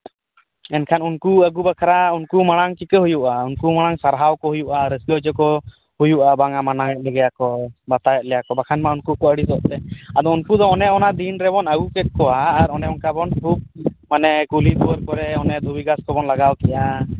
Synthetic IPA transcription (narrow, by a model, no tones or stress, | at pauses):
ɛnkʰanunkuəɡubakʰaɾaunkumaɽ̃aŋkikəɦujuʔaunkumaɽ̃aŋsaɾɦawkɔɦujuʔaɾəsəɔd͡ʒɔkɔ | hujuʔabaŋamanajɛt̪̚lɛɡɛjakɔbat̪ajɛt̪̚lɛjakɔbakʰanmaunkukɔəɽisɔʔt̪ɛad̪ɔunkud̪ɔːnɛɔnad̪inɾɛbɔnəɡukɛt̪̚kɔaːɾɔnɛɔnkabɔnkʰub̚manɛkulib̪uwəɾkɔɾɛɔnɛd̪ʱubiɡaskɔbɔnlaɡawkɛjʔa